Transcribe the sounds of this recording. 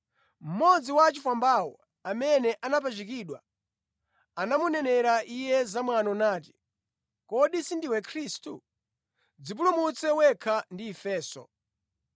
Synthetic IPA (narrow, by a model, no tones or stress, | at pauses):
m̩mɔd͡ziwat͡ʃifwambaːwɔ | amɛnɛʔanap̬at͡ʃik̬iːɗwa̰ | anamunɛnɛɾaʔijɛzamwanɔnaːti̥ | kɔɗisindiwɛkʰɾistu | d͡zip̬ulumut͡sɛwɛkʰandiːfɛːsɔ̰